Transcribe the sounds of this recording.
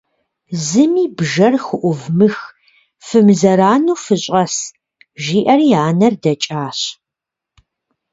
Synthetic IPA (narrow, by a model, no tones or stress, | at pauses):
zɨmiːbʒɐrxʊʔʷʊvmɨx | fɨmzɐɾaːnuːfɨɕʼɐs | ʒiːʔɐrjaːnɐrdɐt͡ʃʼaːɕ